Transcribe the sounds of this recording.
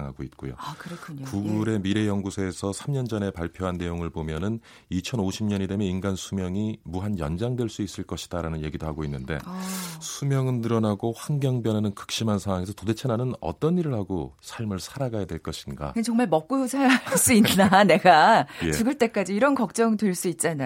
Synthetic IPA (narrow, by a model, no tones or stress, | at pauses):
ŋɦa̰ɡoit̚k͈ojo̰kɯɾkʰkuɡuɾe̞miɾe̞jʌŋɡusʰeːsʰʌsʰamɲʌnd͡ʑʌne̞paɭpʰjoɦanːe̞joŋɯɭbomjʌnɯn | it͡ɕʰʌnoɕʰimɲʌnedemjeinɡansʰumjʌŋimuɦanjʌ̰nd͡ʑaŋdwe̞ɭs͈uis͈ɯɭk͈ʌɕʰi̥d̥aɾanɯnje̞ɡidohaɡoinːɯnde̞̰sʰumjʌŋɯnːɯɾʌnaɡoɸwaŋɡjʌŋbjʌnanɯnkɯ̥k̚ɕ͈imɦansʰaŋɦaŋe̞sʰʌtode̞t͡ɕʰenanɯnʌ̰t͈ʌniɾɯɭhaɡosʰaɭmɯɭsʰaɾaɡajadwe̞ɭk͈ʌɕʰinɡa̰knt͡ɕʌŋmaɭmʌk̚k͈ujod͡ʑʰaɭs͈uinːane̞ɡajet͡ɕuɡɯɭt͈e̞k͈ad͡ʑiːɾʌnkʌk̚t͡ɕ͈ʌŋdwe̞ɭs͈uit̚t͡ɕ͈ana